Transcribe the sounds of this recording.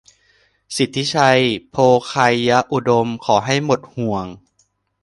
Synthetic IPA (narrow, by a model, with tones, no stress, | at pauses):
si˨˩t̪ʰːi˦˥t͡ɕʰa˧jpʰoː˧kʰa˧jːa˦˥ʔu˨˩do˧mkʰɔː˩˦ɦa˥˩jmo˨˩t̪̚hu˨˩əŋ